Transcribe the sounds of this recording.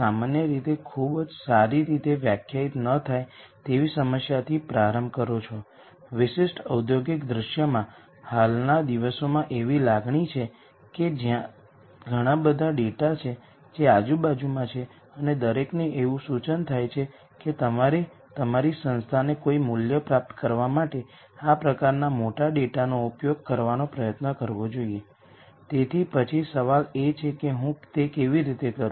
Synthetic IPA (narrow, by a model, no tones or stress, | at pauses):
samanjəɾit̪ekʰubd͡ʒsaɾiɾit̪eʋjakʰjait̪nət̪ʰajt̪eʋisəməsjat̪ʰipɾaɾəmbkəɾot͡ʃʰo | ʋɪʃɪʃʈəwd̪ʱjoɡikd̪ɾəʃjəmã | halnad̪iʋəsomãʔeʋilaɡɳit͡ʃʰe | ked͡ʒjã | ɡʱəɽ̃ãbəd̪ʱaɖeʈat͡ʃʰe | d͡ʒead͡ʒubad͡ʒumãt͡ʃʰe | əned̪əɾekneʔeʋũsut͡ʃənt̪ʰajt͡ʃʰe | ket̪əaɾe | t̪əmaɾisə̃nst̪ʰanekoimuljəpɾap̚t̪ə̥kəɾʋamaʈe | apɾəkaɾnamoʈaɖeʈanoupjoɡ̚kəɾʋanopɾəjət̪nəkəɾʋod͡ʒoie | t̪et̪ʰipət͡ʃʰisəʋalet͡ʃʰekeɦũt̪ekeʋiɾit̪ekəɾu